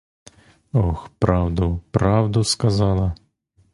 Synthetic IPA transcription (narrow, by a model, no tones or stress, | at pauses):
ɔxpɾɑwd̪ʊpɾɑwd̪ʊskɐzɑlˠɐ